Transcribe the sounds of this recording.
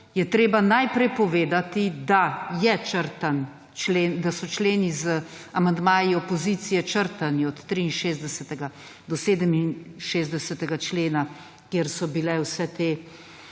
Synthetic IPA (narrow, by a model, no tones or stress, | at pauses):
jɛt̪ɾeːbanajpɾɛjpɔʋeːd̪at̪id̪ajɛt͡ʃəɾt̪an | t͡ʃleːnd̪asɔt͡ʃleːnizəamand̪maːjiɔpɔzit̪sijɛt͡ʃəɾt̪aniɔt̪t̪ːɾiːnʃeːzd̪ɛsɛt̪ɛɡa | d̪ɔseːd̪əminʃeːzd̪ɛsɛt̪ɛɡat͡ʃleːna | keɾsɔbilɛwsɛt̪eː